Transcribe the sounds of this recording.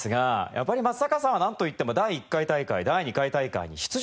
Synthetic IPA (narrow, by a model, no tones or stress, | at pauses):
sɨɡaja̰pːaɾʲimasːakasãanãnt̪o̞it̪ːe̞mo̞d̪aiːkːait̪aika̰id̪aiɲ̟ikait̪aika̰ḭɲ̟ḭɕi̥t͡sɨ